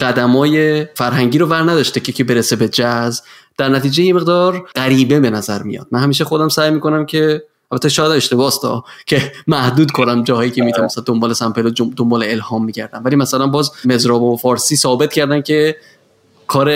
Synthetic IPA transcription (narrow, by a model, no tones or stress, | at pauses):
ɢæd̪æmɒːje̞fæɾɦæŋɟiːɾovæɾnæd̪ɒʃt̪ecʰekʰebeɾesebe̞d͡ʒæzb | d̪æɾnæt̪ʰiːd͡ʒejemeɣd̪ɒːɾɢæɾiːbe̞be̞næzæɾmḭjɒ̰ːd̪̚mænhæmiːʃ̬exo̞d̪æmsæːjmiːko̞næmcʰe̞ | ælbæt̪ːeʃɒːjæd̪æmeʃt̪e̞bɒːst̪ɒ̰ːcʰe̞mæhd̪uːd̪kʰo̞næmd͡ʒɒːhɒːjiːcʰemiːt̪ʰunsæd̪ombɒːle̞sæmpelood̪ombɒːleelhɒːmːiːɟæɾd̪æmvæliːmæsælænbɒːzme̞zɾɒːbofɒːɾsiːsɒːbe̞t̪̚cʰæɾd̪æmcʰe̞ | kʰɒːɾe